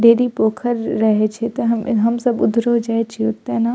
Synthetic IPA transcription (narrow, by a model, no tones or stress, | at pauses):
ɖeːɾipoːkʰəɾːɐɦet͡ʃʰet̪oɦɐmɦɐmsɐbʊd̪ʱɾod͡ʒaːet͡ʃʰieʊt̪ːena